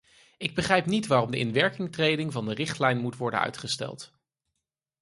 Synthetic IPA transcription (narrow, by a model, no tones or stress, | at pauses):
ɪɡ̚bəχrɛjpnitʋaːrɔmdəʔɪ̰nʋɛɹkɪŋtrejdɪŋvɑndərɪχtlɛjnmutʋɔɹdə̰nœ̰ɥtχəstɛ̰lˠt